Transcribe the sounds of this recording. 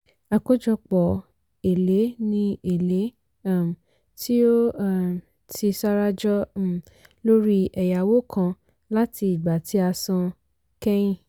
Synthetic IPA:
a˨ko˦d͡ʒɔ˧k͡pɔ˨ | e˨le˨˦nĩ˧e˨le˨˦ | a˦˨m̩˨ | ti˦o˦˨ | tʰi˧sa˦ɾa˦d͡ʒɔ˦˨ | lo˦ɾi˦ɛ˨ja˨wo˦kʰã˧ | la˦ti˧i˨ɡ͡ba˨tʰi˨˦a˧sã˧ | kɛ˦jĩ˦˨

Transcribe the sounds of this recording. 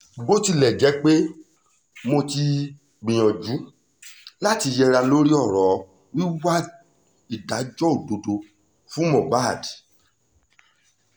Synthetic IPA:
ɡ͡bo˦ti˧lɛ˨d͡ʒɛ˨˦k͡pe˦ | mõ˧ti˧ | ɡ͡bĩ˨j̃ɔ̃˨d͡ʒu˨˦ | la˦˨ti˧jɛ˧ɾa˧lo˦ɾi˦ɔ˦˨ɾɔ˨ | wi˦wa˦ | i˦˨da˨˦d͡ʒɔ˦o˨do˨˧do˧ | fũ˦mɔ̃˨ba˦˨d

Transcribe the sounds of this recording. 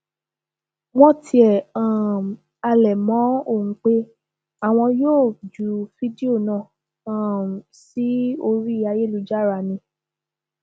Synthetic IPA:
wɔ̃˦ti˧ɛ˨ã˨m | a˧lɛ˨mɔ̃˨˦o˦˨ŋ̩̃˨k͡pe˦ | a˦˨w̃ɔ̃˧joː˦˨d͡ʒu˨fi˦di˦o˦˨nã˨ | a˦˨si˦o˧ɾi˦i˦a˧je˦lu˧˦d͡ʒa˦˨ɾa˧nĩ˧

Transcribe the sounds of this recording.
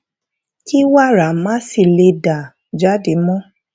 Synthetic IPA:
ki˦wa˦˨ɾa˨˦mã˦si˧˨le˧da˨ | d͡ʒa˨˦de˨˦mɔ̃˦

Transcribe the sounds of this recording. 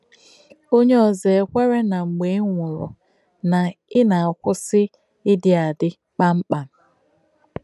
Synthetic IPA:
o˦ɲe˦ɔ˨ze˨kʷe˦ɾe˦na˨ŋ͡m̩˨ɡ͡be˨˦ŋʷʊ˨ɾʊ̰˨ | na˨ɪ˦na˨a˨kʷʊ˦sɪ˦ | ɪ˦dɪ˨a˨dɪ˦ | k͡pa˦ŋ͡m̩˦k͡pa˨m̩˨

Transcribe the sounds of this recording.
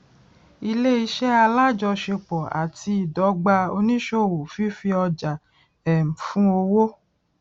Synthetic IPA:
i˧le˦i˧ʃɛ˦a˧la˦d͡ʒɔ˧ʃe˧k͡pɔ˨a̰˨tʰi˧˦i˨dɔ˨˦ɡ͡ba˧o˧nĩ˦ʃo˦˨wo˨fi˦fi˧ɔ˧d͡ʒa˨ | ɛ˨m̩˨fũ˦o˧wo˦

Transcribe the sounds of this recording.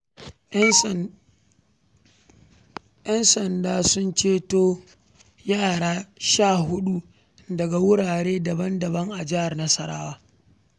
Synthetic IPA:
ʔjɐ˦nsɐ˨ndaː˦sʊ˦nt͡ʃeː˦toː˦ | jaː˦˨ɽaː˦ʃaː˦˨hʊ˦ɗu˦ | dɐ˨ɡa˨wʊ˦ɽaː˨ɽeː˦dɐ˨bɐ˦ndɐ˨bɐ˦ŋʔa˨d͡ʒɪ˦ha˨rnɐ˦sɐ˦ɽa̰ː˦waː˦

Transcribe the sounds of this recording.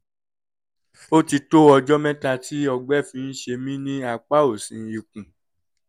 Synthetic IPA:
o˦ti˧to˦ɔ˧d͡ʒɔ˦mɛ̃˦ta˧ti˦ɔ˧ɡ͡bɛ˦˨fĩ˧n̩˦ʃe˧mĩ˦nĩ˦a˧k͡pa˦o˦˨sĩ˨˦ji˨kũ˨

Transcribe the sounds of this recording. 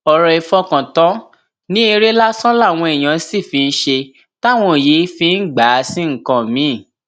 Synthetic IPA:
ɔ˨ɾɔ˧i˧fɔ˧kã˨tɔ̃˨˦ | nĩ˦e˧ɾe˦la˦sɔ̃˦la˦˨w̃ɔ̃˧e˨j̃ã˨˦si˦˨fi˧n̩˦ʃe˧ | ta˦˨w̃ɔ̃˧˨je˨˦fi˧n̩˦ɡ͡ba˨˦sĩ˦ŋ̩˦˨kã˧˨mĩ˨˦˨

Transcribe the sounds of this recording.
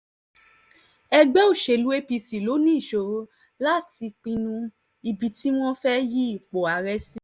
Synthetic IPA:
ɛ˦ɡ͡bɛ˦o˦˨ʃe˨lu˦e˦pi˧si˨lo˨˦nĩ˦˨ʃo˨˦ | la˦ti˧k͡pĩ˧nũ˧ | i˧bi˨ti˦w̃ɔ̃˦fɛ˦ji˦i˨k͡po˨a˨˦ɾɛ˦sĩ˦

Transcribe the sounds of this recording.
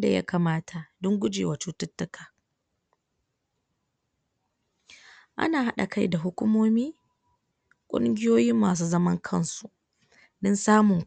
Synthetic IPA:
da̰˨ja̰˦ka˨maː˦tʰa˨dʊ˦ŋɡʷʊ˦d͡ʒḛː˨wa˨t͡ʃuː˦tʊ˦tːʊ˦kaː˨ | ʔa̰˦naː˨ɦa˦ɗa̰˨ka˦˨jda˨ɦʊ˦kʷʊ˦moː˦miː˦ | kʷʼʊ̰˦ŋɡʲɪ˦joː˦jɪ˦mːaː˨s̬uː˦zɐ˦mɐ˦ŋkʰɐ˦nsu˨ʔ | dɔ˦nsaː˦mʊ˨ŋ

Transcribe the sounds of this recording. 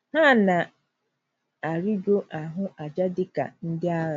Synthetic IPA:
ha˦˨na˨ | a˨ɾi˦d͡ʒo˦ʔa˨ɦʊ˦ʔa˨d͡ʒa˦dɪ˦ka̰˨n̩˦dɪ˦a˦ɾa˦˨

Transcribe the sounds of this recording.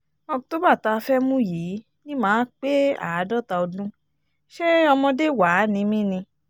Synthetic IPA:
ɔ̃˧˨to˦ba˦˨ta˧fɛ˦mũ˦jiː˨˦ | nĩ˦mãː˨˦k͡pe˦a̰˨a˨˦dɔ˦˨ta˧o˧dũ˦ | ʃe˦ɔ˧mɔ̃˧de˦˨wa˨˦nĩ˨˧˦mĩ˦nĩ˧

